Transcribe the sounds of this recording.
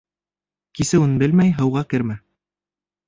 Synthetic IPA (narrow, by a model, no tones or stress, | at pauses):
kisɘwɘnbɘlmæjɦɤ̆wʁɑkɘ̆ɾmæ